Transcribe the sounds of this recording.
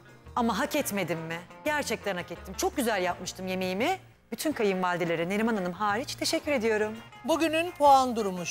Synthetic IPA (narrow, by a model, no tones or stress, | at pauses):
amaɦakɛt̪me̞d̪imːɪɟæɾt͡ʃʰɛc̚t̪ʰænhakɛt̪ʰːimt͡ʃʰo̞k̚ɟyzælʲjap̚mɯʃt̪ʰɯmje̞me̞jimɪ | b̥yt̪ʰynkʰajɯmmalʲd̪elʲeɾine̞ɾʲimananɯmɦaːɾit͡ʃt̪ʰe̞ʃɛcʰːyɾe̞d̪ijo̞ɾum | buɟynynpʰoand̪uɾumuʃ